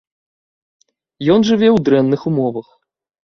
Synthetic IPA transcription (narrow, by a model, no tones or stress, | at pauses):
jɔnʐɨvʲɛwd̪ɾɛnːɨxumɔvɐx